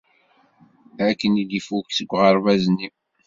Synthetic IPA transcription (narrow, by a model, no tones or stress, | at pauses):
ækːənid̪ifuksəɡʷːʁəɾvæznːi